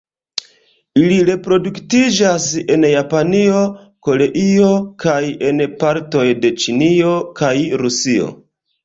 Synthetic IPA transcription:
iliɾe̞pɾo̞duktid͡ʒase̞njapanio̞ | ko̞le̞ʔio̞kaje̞npaɾto̞jde̞t͡ʃinio̞kʰajɾusio̞̰

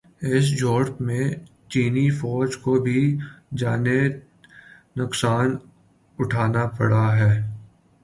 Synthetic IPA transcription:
ɪs̬d͡ʒɔːɾpmẽ | t͡ʃiːnifɔːd͡ʒkobʱid͡ʒaːne | nʊksaːn | ʊʈʰaːnapɐ̰ɽaɦɛː

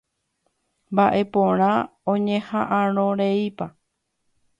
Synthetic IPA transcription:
mbaʔe̞põɾ̃ãõɲẽhaʔãɾ̃õɾeipa

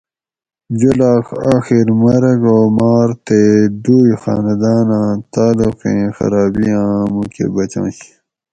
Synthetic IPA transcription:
d͡ʑulaːxaːxiɾmɐɾɐɡoːmaːɾt̪eɖujxa̰ːnɐd̪aːnãːt̪aːluqḛ̃xɐ̰ɾaːbiãːmukḛbɐt͡ɕã̰ːɕi̥

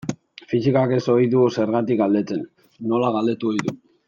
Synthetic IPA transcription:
fisikake̞so̞jðuse̞ɾɣat̪ikɡald̪e̞t͡se̞nː | o̞laɣald̪e̞t̪uojðu

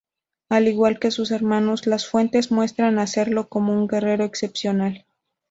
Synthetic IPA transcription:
aliɣwalke̞sus̬e̞ɾmãno̞zlasfwe̞nt̪e̞zmwe̞st̪ɾanase̞ɾlo̞ko̞mo̞uŋɡe̞re̞ɾo̞ekse̞psjo̞nal

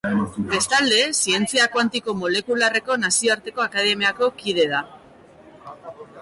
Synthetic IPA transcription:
be̞st̪ald̪e̞sie̞nt͡siakwant̪iko̞mo̞le̞kulare̞ko̞nasio̞aɾt̪e̞ko̞akað̞e̞miako̞kiðe̞ð̞a

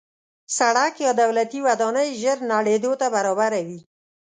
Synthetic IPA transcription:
saɽakjɑd̪awlat̪iwad̪ɑnəjʒəɾnaɽed̪ot̪abaɾɑbaɾawi

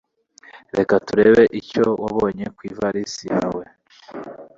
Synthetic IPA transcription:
ɾe̞katuɾe̞ːβe̞ʔicowa̰βoːɲe̞kwiːvaɾisinawe̞

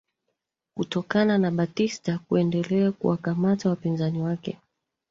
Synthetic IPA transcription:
kutɔkananaɓatistakuɛndɛlɛakṵwakamatawapinzaniwakɛ̰

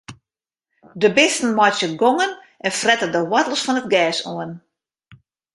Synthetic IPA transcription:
dəbɪstn̩mɔtjəɡoŋən | ʔɛnfrɛtədəwɔtlˠsfɔnətɡɛːsoən

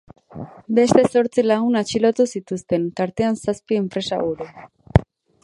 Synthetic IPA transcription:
be̞st̪e̞so̞ɾt͡silaɣ̞unat͡ʃilot̪usit̪ust̪e̞nt̪aɾt̪e̞ansaspie̞mpɾe̞sa̰ɣuɾu

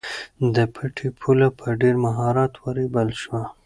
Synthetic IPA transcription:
d̪əpʰəʈʰipʰulapʰəɖeɾmaɦɑɾɑt̪waɾebəlʃwa

